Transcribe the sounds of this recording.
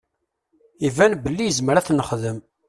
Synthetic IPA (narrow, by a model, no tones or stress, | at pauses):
ivænbəlːijəzməɾæθnəχðəm